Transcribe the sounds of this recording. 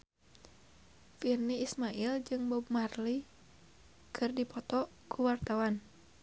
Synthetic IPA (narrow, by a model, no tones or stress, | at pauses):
firniːsmaild͡ʒɨŋbɔbmarli | kʰɨrdipɔt̪ɔ | kʰuwart̪awan